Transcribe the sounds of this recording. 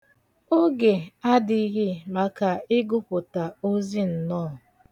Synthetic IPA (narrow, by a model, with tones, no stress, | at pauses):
o˦ɡe˨a˦dɪ˦ɣɪ˦ma˨ka˨ɪ˦ɡʊ˦pʊ˨ta˨o˦zi˦n̩˨nɔː˦˨